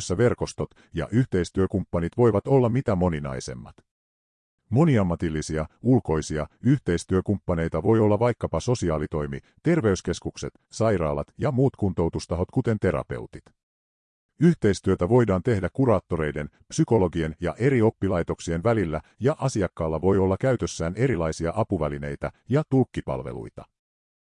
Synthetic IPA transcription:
sːæʋe̞rko̞st̪o̞t̪ | jɑ̰ʔyçt̪e̞jst̪yøkumpːɑnit̪ʋo̞jʋɑt̪o̞lːɑmit̪æmo̞ninɑ̰jse̞̰mːɑ̰t̪ | mo̞niɑmːɑt̪ilːisiɑulko̞jsiɑyçt̪e̞jst̪yøkumpːɑne̞jt̪ɑʋo̞jolːɑʋɑjkːɑpɑso̞siɑːlit̪o̞jmi | t̪e̞rʋe̞yske̞skukse̞t̪sɑjrɑ̰ːlɑ̰t̪jɑmuːt̪kunt̪o̞wt̪ust̪ɑɦo̞t̪kut̪e̞nt̪e̞ɾɑ̰pe̞̰wt̪it̪ | yçt̪e̞jst̪yøt̪æʋo̞jdɑːnt̪e̞hdækuɾɑːt̪ːo̞ɾe̞jde̞n | psyko̞lo̞ɡie̞njɑ̰ʔe̞ɾio̞pːilɑjt̪o̞ksie̞nʋælilːæjɑʔɑsiɑkːɑːlːɑʋo̞jo̞lːɑkæyɥt̪ø̞sːæːne̞ɾilɑjsiɑʔɑpuʋæline̞jt̪æjɑt̪ulkːipɑ̰lʋe̞̰lṵjt̪ɑ̰

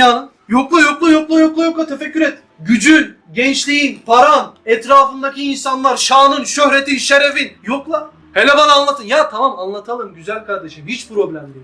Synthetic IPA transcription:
anɯ | joklˠujoklˠajo̞klˠujoklˠujoklˠat̪ʰefɛcʰːyɾet̪ːiɟyd͡ʒyn | ɟɛnt͡ʃlʲijinpʰaɾanɛt̪ɾaːfɯnd̪aciːnsanlˠaɾʃaːnɯnʃøhɾet̪inʃeɾefinjoklˠa | helʲɛvananlˠat̪ʰɯnjat̪ʰamamanlˠat̪ʰalˠɯmɟyzælʲkaɾd̪eʃimhit͡ʃpʰɾo̞blʲæmd̪e

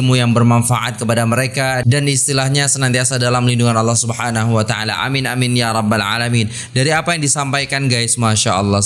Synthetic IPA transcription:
lmujaŋbərmanfaʔa̰t̪̚kəpadaməɾekadanist̪ilahɲasənant̪iasadalamlinduŋanɑlːɑhsubəhanaɦuwat̪aalaʔa̰mɪnaminjaɾˤɑbːalʕa̰lamin | daɾiapajaŋdisampajkanɡajsmaʃaʔɑlˠːɑ

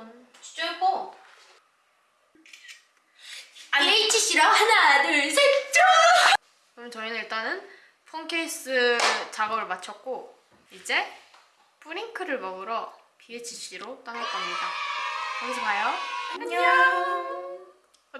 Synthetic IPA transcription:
on | t͡ɕd͡ʑoko | aet͡ɕʰiɕ͈iɾanadɯɭsʰet͡ɕ͈o | kɯmʌnt͡ɕʌinɯiɭt͈anɯn | pʰʌŋkʰeis͈ɯt͡ɕaɡʌbɯɭmat͡ɕʰʌk̚k͈o | id͡ʑe̞ | p͈uɾiŋkʰɯɾɯɭmʌɡɯɾʌ | piet͡ɕʰiɕ͈ʰiɾot͈aŋaɭk͈ʌmɲidakaɡsʰʌkʰajoɲ

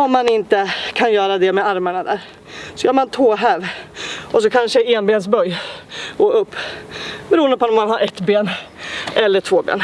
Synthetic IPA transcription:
ɔmːanɪnt̪əkʰanjœːɾad̪ɛmɛaɾmaɳad̪æ̰ːɾ | sɔjœːmant̪ʰoːɦælɔsɔkʰanʂəɛɛnbeːns̬bœjːɡoːɵpːbɛɾuːənd̪əpʰɔɔmːanɦaɾʔɛt̪ːbeːn | ɛlːəʈʰvoːbḛːn

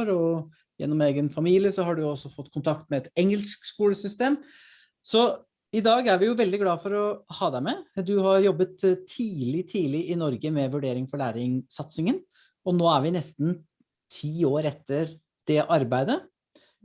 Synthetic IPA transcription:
ɾɔ | jɛ̰nːɔmeːɡənfɑmiːlɪəsɔɦɑɖʉjʊɔsːɔfɔt̪ːkʰʊnt̪ʰɑk̚t̪mɛɛt̪ɛŋəlskskuːləsʏst̪eːm | sɔ | ɪd̪ɑːɡæɾʋɪjʊʋɛld̪ɪɡlɑːfɔɾɔhɑːd̪æɪmɛd̪ʉhɑɾjɔbːət̪t̪ʰːiːlɪt̪ʰiːlɪɪnɔɾɡəmɛʋʉɖeːɾɪŋfɔɭæːɾɪŋsɑt̪sɪŋən | ɔnoːæɾʋɪnɛst̪n | t̪ʰiːoːɾɛt̪ːəɾ | d̪̥ɛʔɑɾbæɪd̪ə

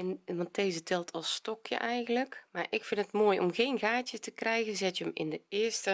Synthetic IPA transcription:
ɛnʋɑnt̚ːeːzətɪlˠtʰɔlˠstɔkʰjə̰ʔɛjɣən̩ləkmaɹʔɪkfɪnətmoːjʔo̰mɣeːnɣaːtjətəkrɛjɣənzɪtjəmɪ̰ndəɪəstə

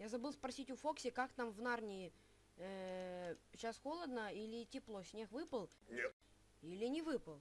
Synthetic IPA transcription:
jazɐbɨlˠspɾɐsʲitʲʊfo̞ksʲɪkakt̪amvnarnʲɪɪ | ə | ɕasxolˠəd̪nəilʲɪtʲɪplˠosʲnʲexvɨpəlˠ | nʲet̪ | ilʲɪnʲɪvɨpəlˠ

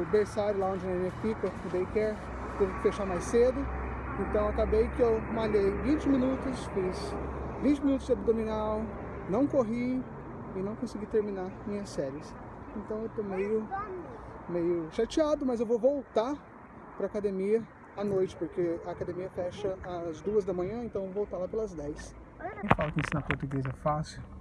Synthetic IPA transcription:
beɾsaɾʊlaõd͡ʒɪɐẽmẽfikɐfud̪ejkɛɾ | t̪ẽvʊkɪfeʃaɾmajsed̪ʊ | ẽnt̪ɐ̃w̃akabejkɪewmaʎejvĩt͡ʃɪmĩnut̪ʊsfĩsvĩt͡ʃɪmĩnut̪ʊzd͡ʒabid̪ominaw | nɐ̃w̃koɦi | ɪnɐ̃w̃kõsɪɡit̪eɾminamĩɲɐsɛɾiɪs | ẽnt̪ɐ̃w̃ewt̪omejʊ | mejʊʃat͡ʃiad̪ʊmɐzewvovowt̪a | pɾɐaːkad̪emiɐ | anojt͡ʃɪ̥poɾkeɐːkad̪emiɐfɛʃɐːzd̪uɐzd̪ɐmɐ̃ɲɐ̃ẽt̪ɐ̃w̃evowvowt̪aɾlapelɐzd̪ɛjs | kẽj̃falɐkɪ̃sĩnɐpoɾt̪uɡezɛfasɪ

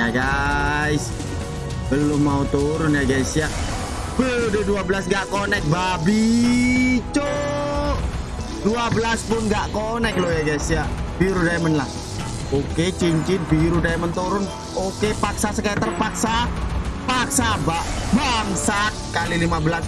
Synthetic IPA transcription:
jaɡaɪs | bəlʊmːaut̪uɾʊnjaɡaisja | b̥ədeduabəlasŋɡaʔkonɛk̚babi | t͡ʃo | duabəlaspʊnɡaʔkonɛk̚lojaɡaisjab̥iɾudamənlah | oket͡ʃiɲt͡ʃɪt̪̚biɾudamənt̪uɾʊn | okepaksasəkat̪ərpaksapaksabaʔbaŋsat̪̚kalilimabəlas

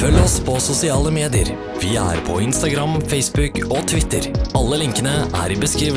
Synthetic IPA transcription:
fœlːɔspʰɔsʊsɪɑːləmeːd̪ɪə̰ɾ | ʋɪæ̰ːɾpʰɔ̰ɪnst̪ɑɡɾɑmfɛɪsbʉkɔt̪ʰʋɪt̪ːəɾɑlːəlɪŋkənəʔæ̰ːɾɪbəskɾiːʋ

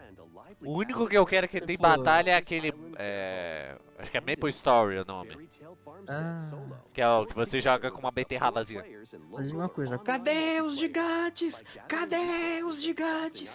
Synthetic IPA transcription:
ʊũnikʊkɪewkɛɾʊkɪt̪ẽj̃bat̪aʎɐɛakelɪɛ̰ | a̰ʃʊ̥kɪɛmepost̪ɔɾiʊnõ̰mɪ̰ | akɪɛʊkɪvoseʒɔɡɐkõũɐbet̪ehalazĩɲɐad͡ʒiũmɐkojzɐkad̪eʊzd͡ʒɪɡat͡ʃɪskad̪eʊzd͡ʒɪɡat͡ʃɪs

